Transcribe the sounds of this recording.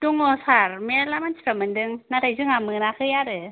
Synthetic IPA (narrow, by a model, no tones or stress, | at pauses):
duŋːosaɾmɛlamansi̥amɯndɯŋnadajzɯŋamɯːnakʰɯjadɯ